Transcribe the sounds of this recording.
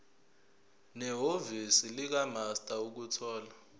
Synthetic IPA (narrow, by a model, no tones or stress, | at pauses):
nɛɦovisilik̬amastʼauk̬utʰɔːla